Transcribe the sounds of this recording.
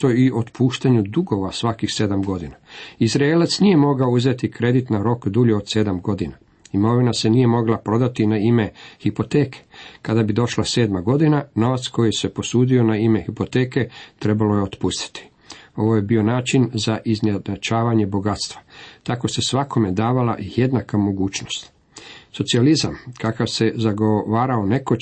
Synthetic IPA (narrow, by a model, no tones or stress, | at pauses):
t̪oiʔo̞t̪pʰuːʃt̪aɲud̪uɡo̞ʋasʋakixse̞d̪amɡo̞d̪inaizɾaelat̪snije̞mo̞ɡaouze̞t̪ikɾe̞d̪it̪naɾo̞kd̪uːʎuod̪se̞d̪amɡo̞d̪ina | imo̞ʋinase̞nije̞mo̞ɡlapɾo̞d̪at̪inaime̞hipo̞t̪eːkʰe̥kad̪abid̪o̞ʃlase̞ːd̪maɡo̞d̪inano̞ʋat̪sko̞jise̞po̞suːd̪io̞naime̞xipo̞t̪e̞ːke̞t̪ɾe̞balojeo̞t̪pust̪i̥t̪i̥ | o̞ʋo̞je̞bio̞naːt͡ʃinzaʔizneat͡ʃaːʋaɲe̞bo̞ɡat̪st̪ʋḁt̪ako̞se̞sʋako̞me̞d̪aːʋala̰ʔije̞d̪nakamo̞ɡuːt͡ʃno̞st̪ | so̞t̪sializamkakaʋse̞zaɡoʋaːɾaone̞ko̞